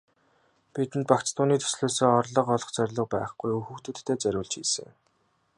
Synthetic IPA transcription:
pit̪ɘ̆nt̪̚pakt͡st̪ʊːniːt̪ʰɵ̥sɮoːsoːɔrɮɞ̆qɔɮɞ̆χt͡sœrʲɮɞ̆pæːχɡujɵxuxt̪ɘ̆t̪ʰːeːt͡sœɾʲʊːɮt͡ɕxiːsɘ̰̆ŋ

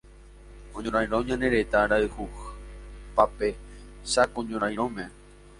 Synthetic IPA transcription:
õɲõɾ̃ãj̃ɾõɲãneɾet̪aɾaɨhu | pape | sakõɲõɾ̃ãj̃ɾõmẽ

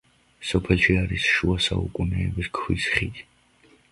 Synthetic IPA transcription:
sɔpʰɛlˠʃiaɾisʃuasa̰ṵkʼunɛːbiskʰwḭsχit̪ʰ

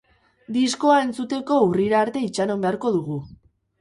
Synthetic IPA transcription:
d̪isko̞ae̞nt͡sut̪e̞ko̞uriɾaːɾt̪e̞it͡ʃano̞mbe̞aɾko̞ðuɣ̞u

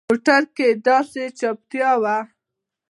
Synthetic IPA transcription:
moʈaɾked̪ɑset͡ʃap̚t̪jɑwa

